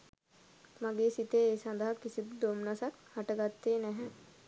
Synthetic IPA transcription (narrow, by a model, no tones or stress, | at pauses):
maɡeːsit̪eeːsand̪əɦɐkisib̪d̪omnasakhaʈəɡat̪ːeːnɛɦɛ